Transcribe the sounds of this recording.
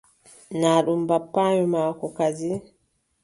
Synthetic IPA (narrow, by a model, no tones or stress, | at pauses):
naːɗumbapːaːjɔmaːkɔkad͡ʒi